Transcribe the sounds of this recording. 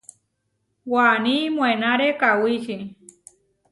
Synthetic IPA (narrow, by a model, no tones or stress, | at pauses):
wanĩmw̃ẽnãɾekawiʃi